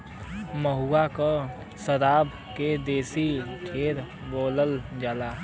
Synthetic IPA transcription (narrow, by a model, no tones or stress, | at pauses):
məɦuakə | səɾaːb | ked̪eːsiʈʰeːɾ | boːləld͡ʒaːla